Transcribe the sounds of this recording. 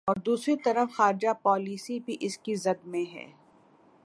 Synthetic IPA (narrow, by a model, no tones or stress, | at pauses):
ɔːɾd̪uːsɾit̪ɐɾəfxaːɾɪd͡ʒapɔːliːsibʱiʔɪskizɐd̪mẽɦɛ̰ː